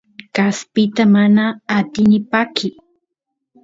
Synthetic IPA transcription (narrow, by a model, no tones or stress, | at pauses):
kaspɪt̪amanaːt̪ɪnɪpakʰɪ